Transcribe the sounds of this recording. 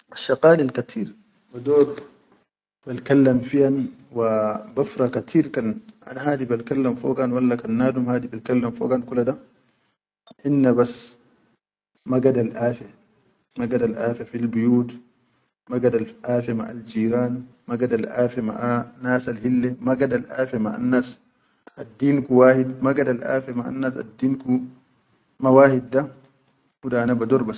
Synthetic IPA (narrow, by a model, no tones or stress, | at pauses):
aʃːaqaːnalkat̪ʰiːɾ | bad̪oːd̪ | balkalːamfijanwabafɾˤɑkat̪ʰiːɾkanʔa̰nahaːd̪ibalkalːamfoːɡanwalːakanːaːd̪umhaːd̪ibalkalːamfo̰ːɡankulad̪a | ʔinːabas | maɡad̪alʔaːfa | maɡadalʔaːfɛfilbujuːt | maɡadalʔaːfɛma̰ʔa̰ld͡ʒiːɾaːn | maɡadalʔaːfɛma̰ʔanaːsalhilːɛmaɡadalʔaːfɛmaʔa̰nːaːs | ʔadːiːnkuwaːhidmaɡadalʔa̰ːfɛmaʔa̰nːaːsa̰dːiːnku | mawaːhid̚da | hudaanabadɔɾbas